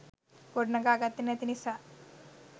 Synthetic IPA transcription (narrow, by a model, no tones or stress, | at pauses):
koɖnaɡaɡat̪ːinat̪inisa